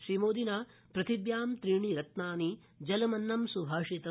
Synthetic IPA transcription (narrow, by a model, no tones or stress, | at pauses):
ʃɾimoːd̪inaː | pɾɐt̪ibjaːmt̪ɾiːɳiɾɐt̪naːni | d͡ʒɐlɐmɐnːɐmsubʱaːʂit̪ɐ